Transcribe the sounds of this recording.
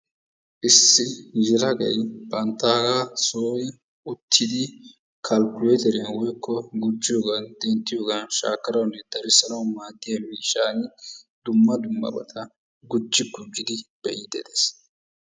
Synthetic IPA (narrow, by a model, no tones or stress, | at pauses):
ʔɪsːɪd͡ʒɪɾɐɡɐjbɐnt̪ːaːɡɐsoːjɪ | ʊt̪ʰːɪd̪ɪ | kʰɐlkʊɛt̪ɛɾɛnwɔjkʰːɔɡʊd͡ʒːɪjoːɡɐnd̪ɛnt̪ːɪjoːɡɐnʃa̰ːkːɐɾɐwnːɛd̪̥ɐɾɪsɐnɐwmaːd̪ːɪjɐmiːʃaːnɪd̪ʊmːɐd̪ʊmːɐ̰bɐ̰t̪ʰɐ | ɡʊd͡ʒːɪɡʊd͡ʒːɪd̪ɪb̥ɛjɪd̪ɛd̪es